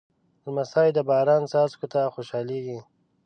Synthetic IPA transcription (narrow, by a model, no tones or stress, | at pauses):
ɾmasɑjd̪əbɑːɾɑːnsɑːzkot̪axoʃɑːleɡi